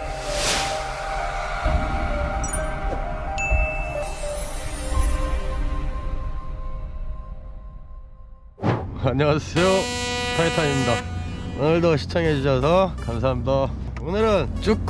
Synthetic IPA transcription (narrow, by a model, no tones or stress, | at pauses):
aɲiŋasʰe̞jopʰaitʰaimɲidaonɯɭdoɕʰi̥t͡ɕʰaŋɦed͡ʑuɕʰʌsʰʌkams̬ʰaɦamdʌ | onɯɾɯnt͡ɕ͈uk̚k͈